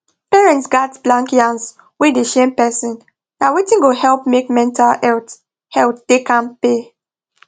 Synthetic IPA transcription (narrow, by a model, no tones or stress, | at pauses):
pɛɹɛ̃ntsɡatblãŋkjãns | wedeʃẽmpɛsĩn | dawetĩnɡohɛlp̚mekmɛ̃ntʰalɛlt | hɛltd̥ekãnpe